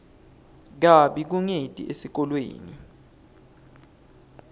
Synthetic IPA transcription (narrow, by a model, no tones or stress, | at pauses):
k̬aɓik̬uŋetʼḭʔesik̬ɔlwḛːnḭ